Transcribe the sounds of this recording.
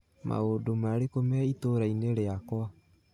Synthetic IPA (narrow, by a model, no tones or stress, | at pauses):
mʔa̰odomaɾekomɛitoɾaineɾeakwa